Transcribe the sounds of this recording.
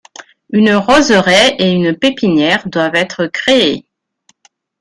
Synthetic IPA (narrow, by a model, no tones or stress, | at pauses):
ynʁɔzəʁɛeynpepinjɛʁd̪wavɛt̪χəkχee